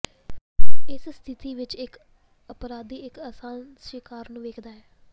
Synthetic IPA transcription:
ɪsst̪ʰɪt̪iːʋɪt͡ʃɪk | əpɾaːd̪iːɪkəsaːn | ʃɪkaːɾnũːʋeːkʰd̪aːɛː

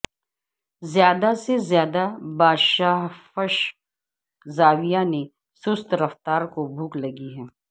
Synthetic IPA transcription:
zjaːd̪asezjaːd̪abaːʃaːɦfɐʃ | zaːʋijane | sʊst̪ɾɐft̪aːɾkobʱuːklɐɡiɦɛː

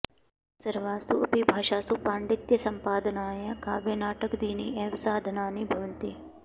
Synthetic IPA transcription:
sɐɾʋaːst̪uɐpibʱaːʃaːsupaːɳɖɪt̪jɐsɐmpaːd̪ənaːjakaːbjɐnaːʈəkd̪iːniʔɛːʋsaːd̪ʱnaːnibʱɐʋənt̪i

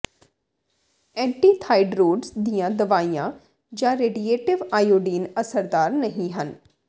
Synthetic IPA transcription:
ɛ̃ːɳʈiːt̪ʰaːiɖɾoːɖsd̪ijãːd̪əʋaːijãː | d͡ʒãːɾeːɖieːʈɪʋaːjoːɖiːnəsəɾd̪aːɾnəɦĩɦən

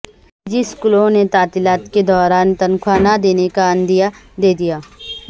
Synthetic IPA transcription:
d͡ʒɪskʊlõnet̪aːt̪ɪlaːt̪ked̪ɔːɾaːnt̪ɐnkʰwaːnad̪eːnekaɐ̃nd̪ija | d̪eːd̪ijaː

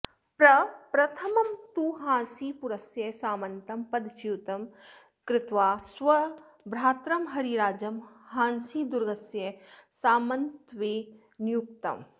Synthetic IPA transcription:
pɾɐpɾɐt̪ʰɐmɐmt̪uɦãːsiːpuɾɐsjɐsaːmɐnt̪ɐmpɐd̪t͡ʃiːt̪ɐm | kɾɪt̪ʋaːsʋɐ | bɾaːt̪ɾɐmɦɐɾiɾaːd͡ʒɐmhãːnsiːd̪ʊɾɡɐsjɐsaːmɐnt̪ʋeː | njuk̚t̪ɐ̰m

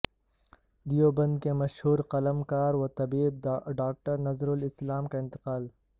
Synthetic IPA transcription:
d̪ijobɐ̃nd̪kemɐʃhuːɾqɐləmkaːɾwot̪ɐbiːb̚ɖaːk̚ʈəɾnɐzɾʊlɪslaːmkaɪ̃nt̪ɪ̥qaːl

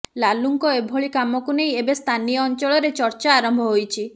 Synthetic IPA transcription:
laluŋkɔebʱoɭikamɔkunejebest̪ʰanijɔːnt͡ʃɔɭɔɾet͡ʃɔɾt͡ʃaːɾɔmbʱɔɦojt͡ʃʰi

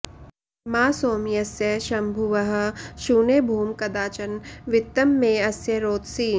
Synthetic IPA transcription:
maːsoːmijɐsjɐʃɐmbʱuʋɐɦ̆ʃuːneːbʱuːmkɐd̪aːt͡ʃɐnʋɪt̪ːɐmːẽɐsjɐɾoːt̪siː

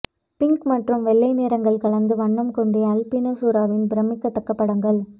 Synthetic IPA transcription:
pɪŋkmɐʈrɯmʋɛɭːɐɪneːɾɐŋɡɐɭkɐɭɐnd̪ɯʋɐɳːɐmkɔɳɖeɐlpinoːsuːɾaːʋɪnbɪɾɐmɪkːɐt̪ːɐkːɐpːɐɽɐŋɡɐɭ

